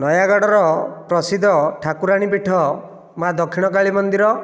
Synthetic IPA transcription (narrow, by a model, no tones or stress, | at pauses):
nɔjaɡɔɽɔɾɔpɾɔsid̪ʱɔʈʰakuɾaɽ̃ipiʈʰɔ | mad̪ɔkʰiɽ̃ɔkaɭimɔnd̪iɾɔ